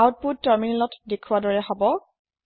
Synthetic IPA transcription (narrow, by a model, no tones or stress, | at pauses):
awt̚put̚taɹminɛlɔtdekʰuadɔɹɛɦɔbɔ